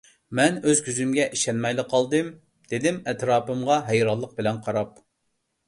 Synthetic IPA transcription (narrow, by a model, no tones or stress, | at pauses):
mɛnøzɡʲʰyzymɡʲɛʔiʃɛnmɛjlɨqʰːɑlˠd̪ɨm | d̪̥ed̪ɪmɛt̪ɾɑːpɨmʁɑɦɛjɾɑlˠːəq̚bɪlɛnqʰɑɾɑp̚